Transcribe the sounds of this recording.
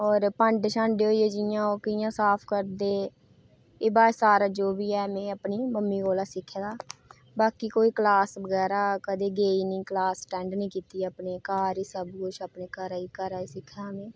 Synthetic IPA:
ɔːɾpə̃ɳɖʃʰãːɳɖeːoːieːd͡ʒɪjãːoːkəɪjãːsaːpʰkəɾd̪eː | eːbaːsaːɾaːd͡ʒoːbiːɛːmẽːəpniːməmːiːɡoːlaːsɪkʰːaːd̪aː | baːkiːkoːiːklaːsʋəɡɛːɾaːkəd̪eːɡeːiːnĩːklaːsʈɛ̃ːɳɖnĩːkiːt̪iːapneːkaːɾiːsəbkʊʃaːpneːkəɾaːiːkəɾaːiːsɪkʰːaːmẽː

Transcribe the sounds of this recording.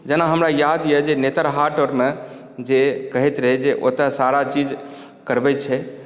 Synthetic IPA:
d͡ʒenaɦəmɾajad̪jɛd͡ʒenet̪əɾɦaʈoɾme | d͡ʒekəɦɛt̪ɾəɦɛd͡ʒeʔo̰t̪asaɾat͡ʃid͡ʒ | kəɾbɛt͡ʃʰɛ

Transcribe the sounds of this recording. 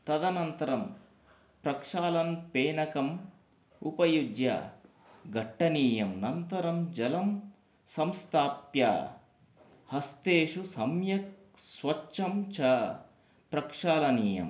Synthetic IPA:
t̪ɐd̪ɐnɐnt̪ɐɾɐm | pɾɐkʂaːlɐnpeːnɐkɐm | upɐjud̪jɐ̰ | ɡɐʈːɐniːjɐmnɐnt̪ɐɾɐmd͡ʒɐlɐm | sɐmst̪ʰaːpja̰ː | hɐst̪eːʂusɐmjɐk̚ | sʋɐt͡ʃʃʰɐmt͡ʃɐ | pɾɐkʂaːlɐniːjɐ̰m

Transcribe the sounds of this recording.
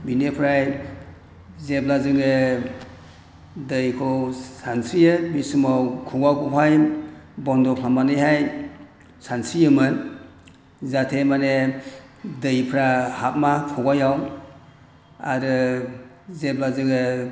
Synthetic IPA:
binepʰɾaj | zeblazɯŋe | dɯjkʰɔsansijɯbisumawkʰuɡakɔpʰajbɔndɔkʰlamanɯjɦaj | sansijɯmɯn | zatʰemane | dɯjpʰɾahap̚makʰɔɡajaw | a̰ɾɯ | zeblazɯŋɯ

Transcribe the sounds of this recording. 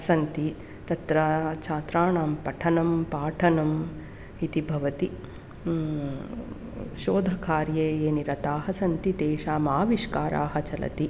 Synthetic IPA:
sɐnt̪i | t̪ɐt̪ɾat͡ʃʰaːt̪ɾaːɳaːmpɐʈʰɐnɐmpaːʈʰɐnɐm | it̪ibʱɐʋɐt̪i | ʃoːd̪ʱɐkaːɾjeːeːniɾɐt̪aːɦɐsɐnt̪id̪eːʃaːmaːʋiʃkaːɾʔa̰ːɦɐt͡ʃɐlɐ̰t̪i

